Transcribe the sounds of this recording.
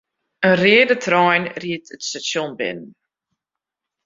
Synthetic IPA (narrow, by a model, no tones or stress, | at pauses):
ənrɪədətʰrɔjnriətətstasjonbɪ̰nn